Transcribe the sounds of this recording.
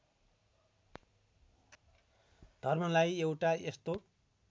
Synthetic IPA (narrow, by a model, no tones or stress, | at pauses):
d̪̥ʱʌrmʌlajewʈaest̪o